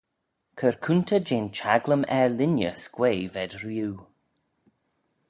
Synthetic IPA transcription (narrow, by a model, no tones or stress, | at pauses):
kʰəɹkʰunt̪ʰəd͡ʒeːnt͡ʃʰaɡləmɛɹlɪnjə̰skweːvɛdɹjuː